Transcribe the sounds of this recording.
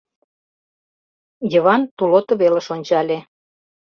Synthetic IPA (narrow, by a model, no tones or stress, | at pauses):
jə̆βɑnt̪ulot̪ŏβelə̆ʃonʲt͡ɕɑlʲe